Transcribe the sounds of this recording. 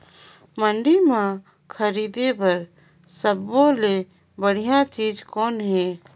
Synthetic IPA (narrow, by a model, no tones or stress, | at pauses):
mə̃ɳɖimã | kʰəɾiːd̪ebɐɾ | səbːole | bəɽ̤ijãt͡ʃiːd͡ʒkɔːnɦɛː